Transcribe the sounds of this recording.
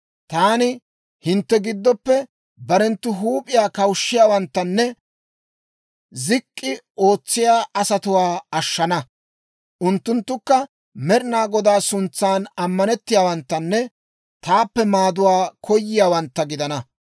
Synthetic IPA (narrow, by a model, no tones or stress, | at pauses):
t̪aːnɪ | hɪnt̪ːɛɡɪd̪ːɔpːɛ | bɐɾɛnt̪ːʊɦuːpʼɪjaːkɐwʃːɪjaːwɐnt̪ːɐnːɛ | zɪkʼːɪ | o̞ːt͡sːɪjaːʔɐsɐt̪ʊwaːɐʃːɐnɐ | ʔʊnt̪ːʊnt̪ːʊkːɐ | mɛɾɪnaːɡɔd̪aːsʊnt͡sːaːnɐmːɐnɛt̪ːɪjaːwɐnt̪ːɐnːɛ | t̪aːpːɛmaːd̪ʊwaːkʰɔjːɪjaːwɐnt̪ːɐɡɪd̪ɐnɐ